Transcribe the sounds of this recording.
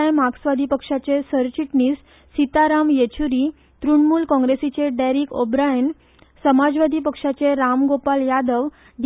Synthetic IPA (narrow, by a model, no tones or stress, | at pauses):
ajmaɡsʋad̪ʱipəkʂat͡sesəɾt͡ɕiʈɳiːsː | it̪aɾamjet͡ɕʰuɾi | t̪ɾuɳmuːlkɔ̃ŋɡɾesit͡seɖaɾikobɾajən | səmad͡zʋad̪ʱipəkʂat͡seɾamɡopaljad̪əʋ | ɖ